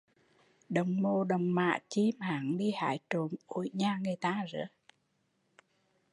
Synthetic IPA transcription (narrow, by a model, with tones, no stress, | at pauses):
ɗə˨˩wŋ͡mmo˨˩ɗə˨˩wŋ͡mma̰ː˧˨t͡ɕi˧maː˨˦ŋɗi˧ha̰ː˧˦jt͡ɕo˨˩mʔo̰˧˦jɲaː˧˩ŋɨː˨˩jt̪aː˧zə̰ː˧˦